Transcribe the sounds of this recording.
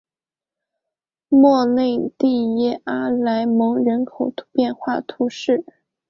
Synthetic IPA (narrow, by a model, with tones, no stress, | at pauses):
mwɔ˥˧ne˥˧ɪt̪i˥˩˧jɛ˥a˥la˧˥ɪmɤ˧˥ŋɻə˧˥nkʰo˨˩ʊt̪pjɛ˥˧nxwa˥˩t̪ʰu˧˥ʂɻ̩˥˩